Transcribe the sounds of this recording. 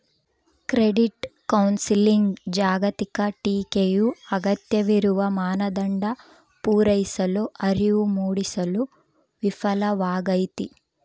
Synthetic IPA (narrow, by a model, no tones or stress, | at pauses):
kɾeɖiʈkɐwnsiliŋɡd͡ʒaːɡɐt̪ikɐʈiːkeːjuɐɡɐt̪jɐʋiɾuʋɐmaːnɐd̪ɐɳɖɐ | puːɾɐjsɐluʔɐɾiʋumuːɽisɐlu | ʋifʰɐlɐʋaːɡɐjt̪i